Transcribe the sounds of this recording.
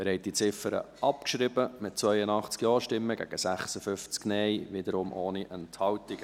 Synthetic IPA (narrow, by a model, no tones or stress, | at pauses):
ɛɾhɛɪt̪̚d̥it͡sɪfəɾə̰ʔɑpkʃɾɪbəmɪt̚t͡svœʏənɑχt͡skjɔːɾʃtɪmːəɡæ̰ɡ̥əsæχsəfʏft͡sknɛɪʋɪd̪əɾʊmʔoːniʔɛnthɑwtɪɡ̥